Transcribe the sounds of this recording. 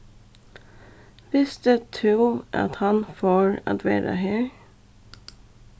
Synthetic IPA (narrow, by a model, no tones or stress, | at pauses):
ʋɪsd̪əːt̪ʰuːʔɑ̰t̪hɑnfoːɹɑ̰t̪ʋæ̰ːɾə̰heːɹ